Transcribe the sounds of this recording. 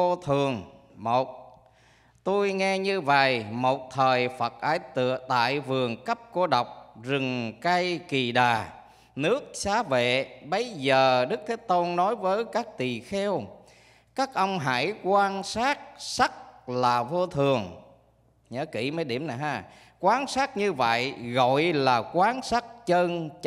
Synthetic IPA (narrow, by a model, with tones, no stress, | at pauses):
o˧t̪ʰɨ˨˩əŋmo˨˩t̚ | t̪o˧jŋɛ˧ɲɨ˧və̰˨jmo˨˩t̚t̪ʰəː˨˩jfə˨˩t̚ʔaː˧˥jt̪ɨ˧˨ət̪a̰ː˧˨jvɨ˨˩əŋkə˦˥p̚ko˧ɗə˨˩wk͡p̚zɨ˨˩ŋkə˧jki˨˩ɗaː˨˩ | nɨ˦˥ək̚saː˨˦vḛ˧˨ɓə˨˦jzəː˨˩ɗɨ˦˥k̚t̪ʰe˨˦t̪o˧nːɔ˨˦jvəː˨˦jkaː˦˥k̚t̪i˨˩xɛ˧w | kaː˦˥k̚ʔə˧wŋ͡mɦa̰ː˧˩jkwaː˧nsaː˦˥t̚sa˦˥k̚laː˨˩vo˧t̪ʰɨ˨˩əŋ | ɲə̰ː˧˨˦ki˧˩məː˨˦jɗi˧˩əmna˨˩jɦaː˧˩ | kwaː˨˦nsaː˦˥t̚ɲɨ˧və̰˧˨jɣɔ̰˧˨jlaː˨˩kwaː˨˦nsaː˦˥t̚t͡ɕəː˧n